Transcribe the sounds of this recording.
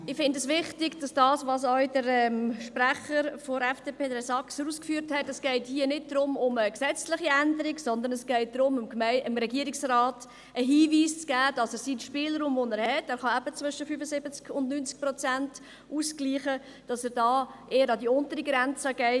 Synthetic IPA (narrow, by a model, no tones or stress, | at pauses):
ɪχfɪndɛsʋɪχtɪɡd̥ɑsd̥ɑːsʋɑsœʏdəɾɛmʃpræχəɾfɔɾɛfd̥eːpʰeːdəɾɛsɑksɾuːskfyːɾthɛtɛsɡ̥ɛɪthiːənɪt̚dɾʊmʊməksɛt͡slɪχiændəɾiɡsɔnd̪əɾnɛsɡ̥ɛɪt̚d̥ɾʊmɪmmɛɪmɾɛɡiəɾɪksraːt | ʔəɦiːviːst͡sɡ̥æːd̥ɑsəɾsinʃpɪːlɾuːmvɔnɛːɾhɛtæːɾχɑæbət͡svʏʃəfyfəzɪbət͡skʊndnyːnt͡sk̚pɾɔt͡sænt | uːsɡliːχə | d̥ɑsəːɾdɑːʔeːəɾɑdiʊntəɾiɡɾænt͡səɡ̥ɛɪ